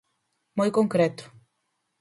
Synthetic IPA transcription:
mojkoŋkɾet̪u̥

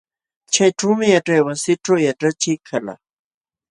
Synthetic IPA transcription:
t͡ʃʰajʈ͡ʂowmɪjaʈ͡ʂajwasɪʈ͡ʂowjaʈ͡ʂat͡ʃʰikʰala̰

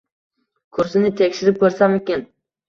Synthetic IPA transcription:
kʰʊɾsɪnɪt̪ʰekʲʃɪɾɪp̚kʰɵɾsamekʲen

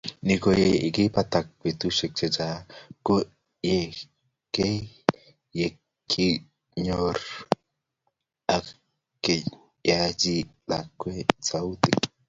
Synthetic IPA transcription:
nikojeikipat̪ak̚bet̪uʃek̚t͡ʃet͡ʃako | je | ke | je | kʰi | ɲoɾ | a | kːe | jad͡ʒiɗ̪akːwet͡saut̪i

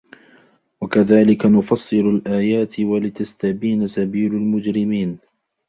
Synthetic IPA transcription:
wakaðaːlɪkanʊfɑsˤːɨɾalʔaːjaːt̪walɪt̪ast̪abiːnasabiːlalmʊd͡ʒɾɪmiːn

